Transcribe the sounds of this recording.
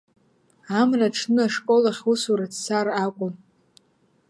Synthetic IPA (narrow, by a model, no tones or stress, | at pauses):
amraʈ͡ʂʰnɨaʂkʼolaχʲusuɾadsarakʷʼʊm